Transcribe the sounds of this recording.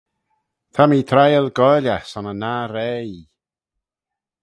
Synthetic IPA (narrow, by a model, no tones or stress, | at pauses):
t̪ʰamiːt̪ʰrajəlɡɔjlasɔnənaːɾej